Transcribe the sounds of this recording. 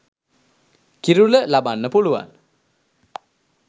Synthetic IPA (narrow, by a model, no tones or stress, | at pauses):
kiɾuləlabanːəpuluʋa̰n